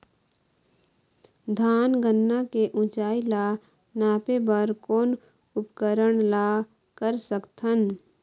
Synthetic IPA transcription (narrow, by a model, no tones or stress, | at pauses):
d̪ʱaːnɡənːakeʔʊ̃t͡ʃaːila | naːpebəɾkoːn | ʊpkəɾəɽla | kəɾsəkt̪ʰən